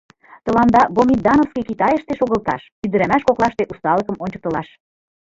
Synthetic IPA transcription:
t̪ɤ̆lɑnd̪ɑbomʲid̪ɑnofskikit̪ɑjəʃt̪eʃoɣə̆lt̪ɑ̰ʃ | yd̪ə̆ɾæmæʃkoklɑʃt̪eʔust̪ɑləkəmonʲt͡ɕɤ̥̆k̚t̪ə̆lɑʃ

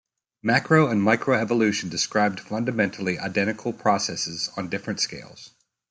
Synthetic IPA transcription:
mækɹoʊɨ̃nmaɪkʰɹoʊɛvəlʉʃɨ̃ndɨskɹaɪb̚d̥fʌ̃ndɨmɛ̃ntʰˡl̩ˠiʔa̰ɪdɛ̃ɾ̃ɨkʰl̩ˠpʰɹ̥ɑsɛsɨzn̩dɪfɹɨ̃ntskeɪlˠz̥

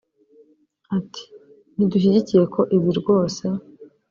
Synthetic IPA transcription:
ati̥ | n̥iduɕ̬iɟicije̞kʰo̞ʔiβiɾɡo̞ːse

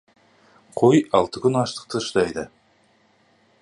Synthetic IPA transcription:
qʰojɑlˠt̪əkʲʰʏnɑʃt̪ə̥q̚t̪əʃd̪ɑjd̪ə

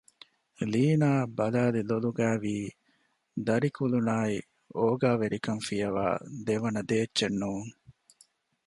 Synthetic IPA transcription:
liːnaːbɐlaːd̪eloluɡæːʋiː | d̪ɐɾikulunaːi | oːɡaːʋeɾikɐnfijɐʋa̰ːd̪eʋɐnɐd̪eːtːʃenːuːŋ

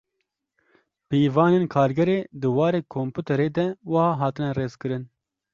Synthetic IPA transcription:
piːvɑːneːnkʰɑːɾɡɛɾeːd̪ɨwɑːɾeːkʰompuːt̪ʰɛɾeːd̪ɛwɨhɑːɦɑːt̪ɨnɛreːzkɨɾɨn

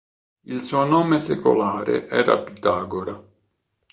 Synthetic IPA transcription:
ilsuːonɔːmeseko̰laːɾḛʔɛːɾa̰pit̪aːɡoɾa

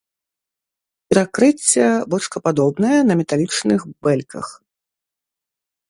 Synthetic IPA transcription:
pʲɛɾakɾɨt͡sʲːɐbɔt͡ʂkɐpad̪ɔbnɐjɐnɐmʲɛt̪alʲit͡ʂnɨxbɛlʲkɐ̰x

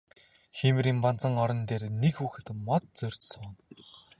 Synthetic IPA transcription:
ximɘ̆ɾimpant͡sə̆ŋɔɾɞ̆nt̪eːrnekxuːxɘ̆t̪mɔt̪̚t͡sɵr̥ʲt̪sʊːn

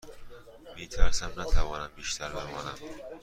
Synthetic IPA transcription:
met̪ʰaɾsamnat̪ʰavɒːnambeʃt̪ʰaɾlaɾvɒnam

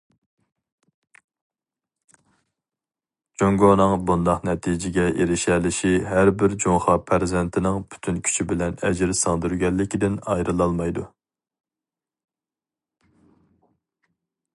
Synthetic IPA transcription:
d͡ʒoŋɡonɨŋbund̪ɑqnɛt̪ʰid͡ʒɪɡʲɛʔeɾɪʃɛlɪʃiɦæɾbɪɾd͡ʒoŋχɑpʰæɾzɛnt̪ʰɪnɪŋpʰy̥t̪ʰynkʲʰy̥t͡ʃʰibɪlɛnɛd͡ʒɾsɑŋd̪yɾɡʲɛlːɪkʲid̪ɪnɑjɾɨlˠɑlˠmɑjd̪u

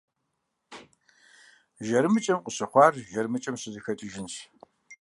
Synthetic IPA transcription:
ʒɐɾɨmɨt͡ʃʼɐmqʷʼʊɕɨχʷɑːrʒɐɾmɨt͡ʃʼɐmɕɨzɨxɐtʼɪʒɪnɕ

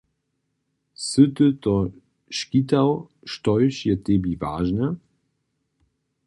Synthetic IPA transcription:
sɨt̪ət̪ɔ | ʃkit̪aw | ʃtɔjʃjɛt̪ɛbiva̰ːʒnə

